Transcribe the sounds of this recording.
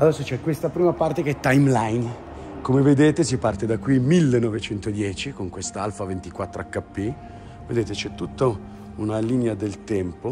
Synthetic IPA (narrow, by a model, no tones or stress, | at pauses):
ad̪ɛsːot͡ʃɛkwest̪apɾiːmapart̪ekeɛt̪ːajmlajn | komeved̪eːt̪esipart̪ed̪akːwimilːenːɔvet͡ʃɛnt̪od̪jɛːt͡ʃikoŋkwest̪aalfavent̪ikwat̪ːɾoakːapːe | ved̪eːt̪et͡ʃɛt̪ːut̪ːa | unaliːnead̪elt̪ɛmpo